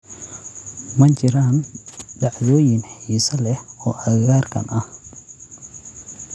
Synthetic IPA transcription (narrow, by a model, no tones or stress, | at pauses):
mɐt͡ʃɪɾanɖɑʕðɔːjɪnħiːsɐlɛhɔːʔɐɣaːrkʰɐ̰nʔɐh